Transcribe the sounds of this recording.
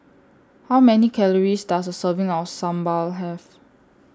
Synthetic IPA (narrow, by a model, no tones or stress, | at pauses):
hawmɛnikʰɛləɹisdasəsəvɪ̃ŋaəsãmbalɦɛv